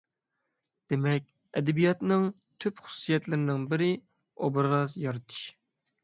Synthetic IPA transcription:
d̪̥emɛk̚ʲ | ɛd̪ɛbijɑt̪nɨŋ | t̪ʰøpχʊ̥sːijɛt̪lɪɾɪnɪŋbɪɾɪ | obɾɾɑzjɑɾt̪ʰɨ̥ʃ

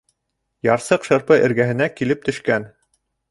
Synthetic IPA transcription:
jɑɾsɤqʃɤ̆ɾpɤʔɘ̆ɾɡæɦɘ̆nækilɘp̚t̪ɵ̆ʃkæn

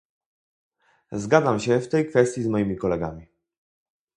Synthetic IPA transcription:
zɡad̪zamɕɛft̪ɛjkfɛst̪ʲjizmɔjimʲikɔlɛɡa̰mʲi

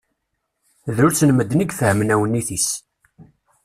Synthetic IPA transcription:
ðʊɾt͡sːnəmːəd̪ːnəɡfəhmnæwənːiθis

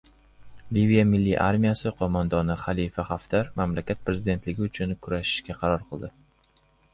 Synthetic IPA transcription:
livijamɪlːiʔa̰ɾmʲijasɪqʰomand̪ɒnɪχalifaχaft̪ʰaɾmamlakʲat̪̚pɾe̞zɪd̪e̞nt̪lɪɡʲɪʊt͡ʃʰʊnkʰʊɾaʃɪ̥ʃkʲaqʰɑɾɒɾqʰɨlˠd̪ɪ

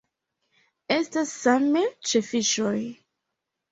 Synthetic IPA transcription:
estasːamet͡ʃefiʃoj

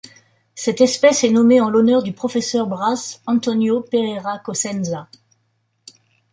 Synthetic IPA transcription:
sɛt̪ɛspɛsɛnɔmeɑ̃lɔnœʁd̪ypχɔfɛsœʁbʁasɑ̃t̪ɔnjopeʁeʁakɔsɛnza

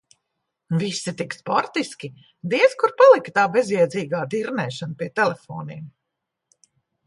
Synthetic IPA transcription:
visːit̪ikspɔɾt̪iskʲi | d̪iɛskuɾpalˠikt̪aːbɛzjɛɛd̪ziːɡaːd̪iɾnɛːʃanpiɛt̪ɛlɛfɔ̰ːnim

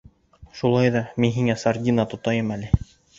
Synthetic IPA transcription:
ʃulˠɑjðɑminɦiŋæsardʲinɑt̪ŏt̪ɑjɤmælɘ

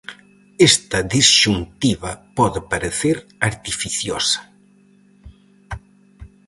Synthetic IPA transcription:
est̪ɐðizʃunt̪iβɐpɔðɪpaɾeθeɾaɾt̪ifiθjosɐ̥

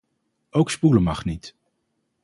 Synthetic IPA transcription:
owkspuləmɑχnit

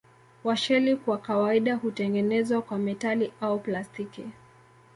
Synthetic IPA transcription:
waʃɛlikwakawaiɗahutɛŋɡɛnɛzwakwamɛtaliʔauplastiki

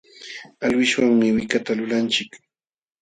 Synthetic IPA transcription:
alwɪʃwaŋmɪwɪkat̪alʊlant͡ʃɪk

